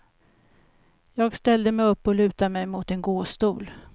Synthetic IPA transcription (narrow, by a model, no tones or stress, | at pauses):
jɑːɡst̪ɛld̪əmɛjɵpːɔlʉ̟ːt̪amɛjmʊt̪ɛnɡoːst̪uːl